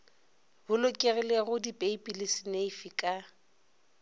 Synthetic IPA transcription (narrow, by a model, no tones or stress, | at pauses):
bʊlʊkʼɪrɛleɣʊdipʼeipʼilɪsɪneifikʼa